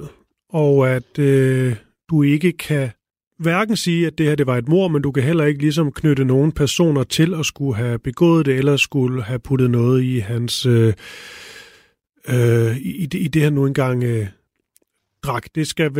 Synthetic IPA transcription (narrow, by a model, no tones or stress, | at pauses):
ɒʊæd̥ø | d̥ue̝ɡ̥əkʰæ | ʋæɐɡ̥n̩siːæd̥e̝hæɐd̥e̝ʋɑ̈e̝d̥mo̝ɐ̰mend̥ukʰæɦel̰ɐe̝ɡ̥əlis̬ɒ̽mkʰnøɾəno̝ːn̩pʰæɐso̝̰ːnɐt͡sʰe̝lɒ̽sɡ̥uɦæb̥e̝ɡ̥ɔ̰ːð̩ˠd̥e̝elɐsɡ̥uləhæpʰud̥ð̩ˠnɔ̽ːð̞̩ˠiɦænsø | øiidid̥e̝hænuenɡ̥ɑ̈ŋ̰ | d̥ʁɑ̈ɡ̥d̥e̝sɡ̥æ